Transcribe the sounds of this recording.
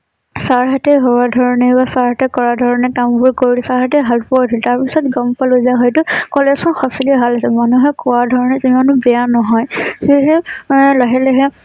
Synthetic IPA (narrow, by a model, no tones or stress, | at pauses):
saɹɦatɛɦɔbadʱɔɹɔnɛbasaɹɦatɛkɔɹadʱɔɹɔnɛkambʊɹkoɹilɛsaɹɦatɛɦalpɔdʱɔltaɹpisɔtɡɔmpalojzaɦɔjtʊkɔlɛsɔnxɔsilibʱalasɛmanuɦɔjkɔwaɹdʱɔɹɔnɛzimanʊbɛjanɔɦɔjsiɦɛlaɦɛlɛɦɛ